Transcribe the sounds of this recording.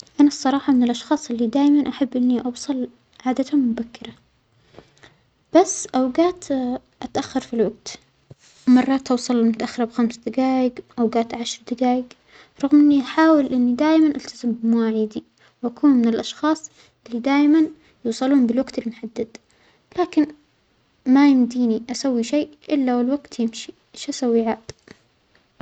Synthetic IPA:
ʔanasˤːɑɾˤɑːħɑmɪnɪlʔɑʃxɑːsˤʔɪlːid̪aːjmanʔaħabːʔɪnːiʔɑwsˤɑl | ʕaːd̪at̪hʊmmʊbakːɪɾa | b̥asːʔawɡaːt̪ | ʔat̪ʔaxːɑɾˤfilwaɡ̚t̪ | mɑrˤːɑːt̪ʔɑwsˤɑllmʊt̪aʔaxːɪɾˤɑbxamsad̪aɡaːjɪɡʔawɡaːt̪ʕaʃɾˤd̪ɪɡaːjɪɡ | ɾˤɑɣmʔɪnːiʔaħaːwɪlʔɪnːid̪aːjmanʔalt̪azɪmbɪmwaːʕiːd̪i | wʔakuːnmɪnɪlʔɑʃxɑːsˤ | ʔɪlːid̪aːjman | juːsˤɑluːmbɪlwaɡt̪ɪlmʊħad̪ːad̪ | laːkɪn | majɪmd̪iːniʔasawːiʃejʔɪlːawɪlwaɡt̪jɪmʃi | ʃasawːiʕaːt̪

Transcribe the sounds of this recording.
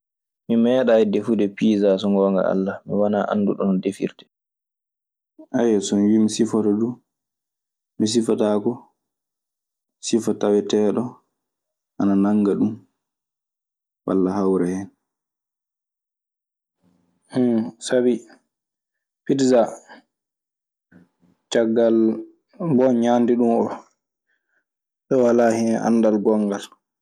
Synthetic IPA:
mimɛːɗaɛdefudɛpiːzas̬ɔŋɡɔːŋɡa̰a̰lːamiwanaʔa̰nːduɗɔnɔdefḭɾtɛ̥ | ʔajɛsɔnwimisifɔtɔdu | mis̬ifatakɔ | sifatawɛtɛɗɔ | ʔananaŋɡaɗum | wa̰lːahawɾɛhɛn | sabi | pidza | t͡ʃaɡːal | bɔnɲandiɗumɔ | ɗɔwalaːhinɛʔa̰nːdalɡɔŋɡal

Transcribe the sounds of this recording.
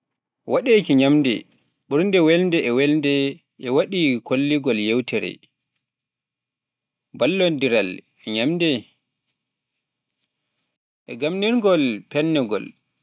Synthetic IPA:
waɗekiɲamdɛ̰ | ɓuɾndɛwɛlndɛɛwɛlndɛ | ʔɛwaɗikolːiɡɔljɛwtʰɛɾɛ̰ | balːɔndiɾal | ɛɲamdɛ | ʔɛɡamniɾŋɡɔlpɛnːɛɡɔ̰l

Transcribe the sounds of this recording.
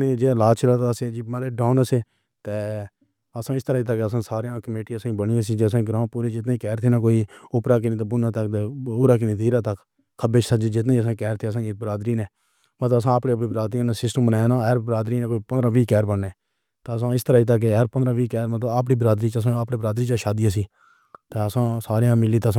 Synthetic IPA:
neːd͡ʒeːlaːt͡ʃɾaːt̪aseːd͡ʒimaleːɖaːʊnəseː | t̪eː | əsãːɪst̪əɾaːiːt̪̬əkːeəsãːsaːɾãːkəmeːʈiəsãːĩːbəɽiːas̬iːd͡ʒesãːɡɾãːpuːɾeːd͡ʒɪt̪naːiːkɛːɾt̪ʰeːnaːkoːiʊpɾaːk̬ɪnĩːt̪ːbʊnãːt̪əkt̪eʊɾaːk̬ɪnĩːd̪iːɾaːt̪ək | kʰːəbeːt͡ʃʰsəd͡ʒd͡ʒɪt̪naiːəs̬ãːkɛːɾt̪ʰeːəs̬ãːbəɾaːd̪ɾiːnɛ̃ː | mət̪ləbəs̬ãːəːpɽeːpiːbəɾaːd̪ɾĩːnaːsɪsʈəmnãːnaːɾbəɾaːd̪ɾiːnẽːkoːiːpənd̪ɾãːʋiːkɛːɾbəɳːeː | t̪eːəsãːɪst̪əɾaːiːt̪̬ək̬ːeəɾpənd̪ɾãːʋiːkɛːɾmət̪ləbaːpɽiːbɾaːd̪ɾiːt͡ʃəsãːapɽeːbɾaːd̪ɾiːt͡ʃaːʃaːd̪iːjãːsiː | t̪eːəsãːsaːɾejãːmɪliːt̪eːsã

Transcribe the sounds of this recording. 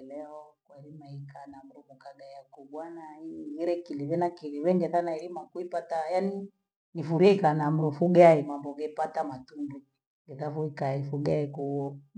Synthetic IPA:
lɛɔkwaɛɾimaikanam̩ɾumukaɡajakuɓwanaiɣiɾɛkiliβɛnakiliβɛŋɡɛθanaɛɾimakuipatajani | nifuɾiɛikanam̩ɾufuɡaimambɔɡɛpatamatundu | ŋɡɛðafuikaifuɡaiku

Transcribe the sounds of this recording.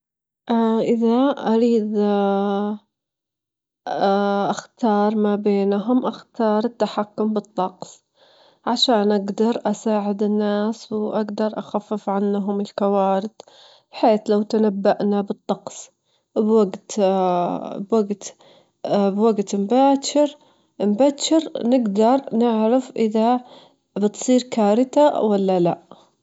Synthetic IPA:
ʔaʔɪðaʔaɾiːd̪ | ʔaxt̪ɑːɾˤmabeːnɦʊmʔaxt̪ɑːɾˤɪt̪ːaħakːʊmbɨt̪ˤːɑqsˤ | ʕaʃaːnʔaɡd̪ɑɾˤʔasaːʕɪd̪ɪnːaːswʔaɡd̪ɑɾˤʔaxafːɪfʕanːɦʊmɪlkawaːɾɪd̪ | b̥ħeːθlawt̪anabːaʔnabɨt̪ˤːɑqsˤ | bwaɡt̪ | bwaɡt̪ | bwaɡt̪mbaːʃɪɾ | mbaʃɪɾnɪɡd̪ɑɾˤnɪʕɾɪfʔɪða | bɪt̪sˤiːɾkaːɾɪt̪awalːalaʔ

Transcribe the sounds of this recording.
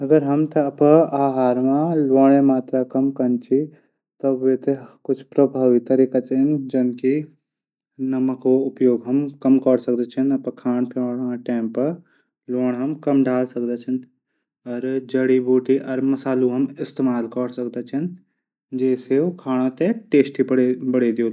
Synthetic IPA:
ɐɡəɾɦɐmt̪ɐɐpəaːɦaːɾmãlʋoːɳ̃emaːt̪ɾakɐmkɐnt͡ʃʰi | t̪obʋet̪ekʊt͡ʃʰpɾɐbʱaːʋit̪ɐɾikat͡ʃʰnd͡ʒɐnki | nɐməkoʊpjoːɡɦɐmkɐmkəɽsɐk̚d̪et͡ʃʰənɐpəkʰaːnpoːɽmãʈeːmpɐɾ | loːɽɦɐmkɐmɖʱaːlsɐkd̪et͡ʃʰən | ɔːɾd͡ʒɐɽibuːʈiʔɔɾmɐsaːluɦɐmɪst̪eːmaːlkəɽsɐkd̪et͡ʃʰɐn | d͡ʒɛːsekʰaːɽ̃õt̪eʈeːsʈibɐɽbɐɽed̪io

